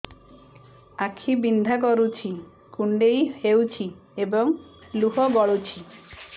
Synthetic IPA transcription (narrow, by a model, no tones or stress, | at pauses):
akʰibind̪ʱak̬ɔɾut͡ɕʰi | kuɳɖejhewt͡ɕʰiebɔŋluɦɔɡɔɭut͡ɕʰi